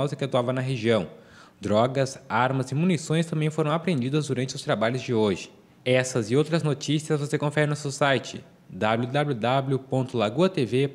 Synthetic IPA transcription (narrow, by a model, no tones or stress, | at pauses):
wzɪkɪat̪uavɐnɐɦeʒiɐ̃w̃ | d̪ɾɔɡɐsaɾmɐzɪmunisõj̃st̪ɐ̃mbẽj̃foɾɐ̃w̃apɾẽnd͡ʒid̪ɐzd̪uɾɐ̃nt͡ʃɪʊst̪ɾabaʎʊzd͡ʒɪoʒɪ | ɛsɐzɪowt̪ɾɐznot͡ʃisiɐzvosekõfɛɾɪnʊsewsajt͡ʃɪ̰ | d̪ablʲud̪abljʊd̪abljʊpõnt̪ʊlaɡuɐt̪eve